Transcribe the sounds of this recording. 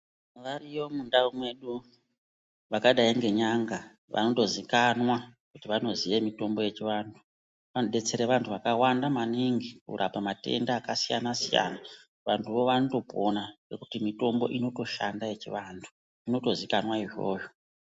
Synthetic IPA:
ʋarijo̞mundawumwe̞ɗu | ʋakaɗaiŋɡe̞ɲaŋɡa | ʋʔa̰no̞to̞zikanwakutiʋano̞zije̞mito̞mbo̞je̞t͡ʃiʋaːndʰu | ʋanoɓe̞t͡se̞ɾeʋantʰuʋakawandamaniŋɡikṵɾʔapamate̞̰ndaːkasijanasija̰na | ʋantʰuʋo̞ʋanoto̞pʰo̞nare̞kutimito̞mbo̞̰ʔino̞to̞ʃandaje̞t͡ʃḭʋantʰu̥ | ino̞to̞zikanwaiʐo̞̰ːjo̞

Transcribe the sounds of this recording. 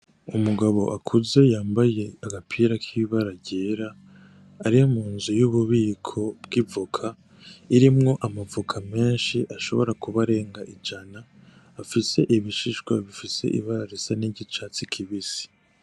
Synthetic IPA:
umuɡaβo̞̰ʔakʰuze̞jaːmbaje̞aɡapʰiːɾakʰiβaɾaɟeːɾaː | ɾijomuːnzujuβuβiːkʰo̞bɡivukʰa | iɾimŋo̞ʔamavukʰame̞ːnʃiʔaʃo̞̰βo̞ɾakuβaɾe̞ːŋɡaʔid͡ʒanaː | fise̞ʔiβiʃiʃɡwaβifise̞̰ʔḭβaɾaɾesaniɟit͡ʃat͡sikʰiβisi̥

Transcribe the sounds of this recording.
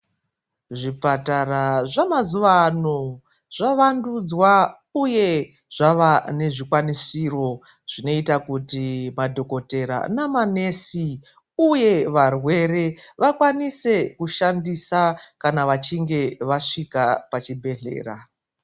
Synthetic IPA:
ʐipataraʐamazuʋano̞ | ʐ̥aʋandud͡zwa | uje̞ | ʐ̥aʋane̞ʐikwanisiro̞ | ʐ̥ino̞itakutimadʱo̞ko̞te̞ɾa̰namane̞si | uje̞ʋarwe̞re̞ʋakwanise̞kuʃandisakanaʋat͡ʃiŋɡe̞ʋaʂikapat͡ʃibʱe̞ɮe̞̰ːra̰

